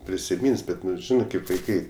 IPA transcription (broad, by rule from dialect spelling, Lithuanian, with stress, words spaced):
pʲrʲɪsʲɪˈmʲiːns ˈbʲɛt ˈnʊ ˈʒʲɪnɜ kɐɪp ʋɐɪˈkɐɪ